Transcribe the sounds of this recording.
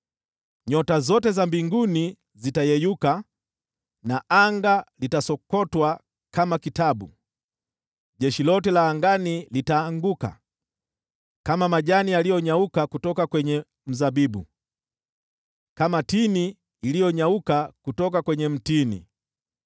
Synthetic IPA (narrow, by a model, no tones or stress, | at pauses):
ɲɔtazɔtɛzambiŋɡuni | zitajɛjuka | naʔaŋɡalitasɔkɔtwa | kamakitabṵ | ʄɛʃilɔtɛlaːŋɡanilitaːŋɡuka̰ | kamamaʄanialijɔɲaukakutɔkakwɛɲɛ | m̩zabibṵ | kamatiniː | lijɔɲaukakutɔk̬akwɛɲɛm̩tinḭ